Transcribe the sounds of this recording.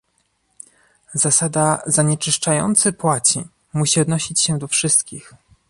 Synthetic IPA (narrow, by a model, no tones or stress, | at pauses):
zasad̪azaɲɛt͡ʂɘʂt͡ʂajɔ̰nt̪sɘpwat͡ɕḭ | muɕiɔd̪nɔɕit͡ɕɕɛd̪ɔfʂɘst̪kʲix